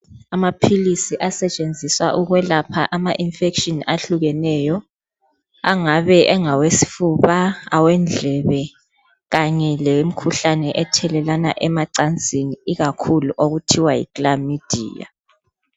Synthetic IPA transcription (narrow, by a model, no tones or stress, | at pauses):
amapʰilisiʔasɛt͡ʃʼend͡zʱiswaʔuɣwɛlapʰaʔamaʔinfekʃɔnaɬuɣɛnɛjɔ | a̰ŋaβɛʔɛŋawesi̥fuβaawɛnd͡ɮʱɛβɛ | ɣaɲɛlɛm̩kʰuɬanɛʔɛtʰɛlɛlana̰ʔɛmaǀant͡sʼiniiɣakʰuluʔoɣutʰiwajḭklamid̥ʱḭːja̰